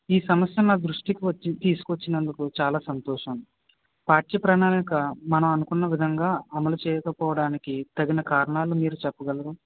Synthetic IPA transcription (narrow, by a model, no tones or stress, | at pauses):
iːsɐmɐsjɐnaːd̪ɾuʂʈikiʋɐt͡ʃːit̪iːsu̥kuʋɐt͡ʃːinɐnd̪ukut͡ʃaːlaːsɐnt̪ɔːʂɐm | paːʈ̚jɐpɾɐɳaːnikɐmɐnɐmɐnukunːɐʋid̪ʱɐŋɡaːɐmɐlut͡ʃɛːjɐkɐpɔːʋɐɽaːnikit̪ɐɡinɐkaːɾɐɳaːlumiːɾut͡ʃɛpːɐɡɐlɐd̪u